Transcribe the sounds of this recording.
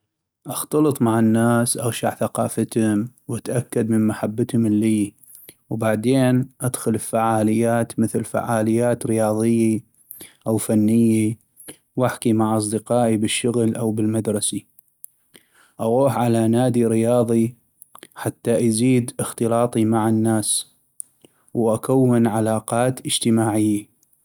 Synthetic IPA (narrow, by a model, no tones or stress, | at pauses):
ʔɑxt̪ɑlɨt̪ˤmaʕanːaːsʔaɣʃaʕθaqɑːfat̪hʊmwʔat̪ʔakːad̪mənmaħabːat̪hʊmɪlːiː | wbaʕd̪eːnʔad̪xʊlɪlfaʕaːlɪjːaːt̪məθlfa̰ʕaːlɪjːaːt̪ɾɪjɑːðˤɨjːi | ʔawfanːɪjːi | wʔaħkimaʕʔɑs̬ˤd̪ɪqɑːʔibɪʃːʊɣlʔawbɪlmad̪ɾˤɑsi | ʔaɣuːħʕalanaːd̪iɾɪjɑːðˤi | ħat̪ːaʔjziːd̪ʔɪxt̪ɨlɑːt̪ˤimaʕanːaːs | wʔakawːɪnʕalaːqɑːt̪ʔəd͡ʒt̪əmaːʕɪjːa